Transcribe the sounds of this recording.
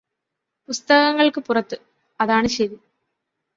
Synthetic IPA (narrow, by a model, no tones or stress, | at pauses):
pust̪ɐɣɐŋːɐɭkɨpurɐt̪ːɨ | ɐðaːɳɨɕeði